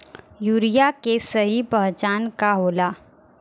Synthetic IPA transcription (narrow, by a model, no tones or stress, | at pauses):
juːɾijakesɐɦipɐɦt͡ʃaːnkaɦoːlaː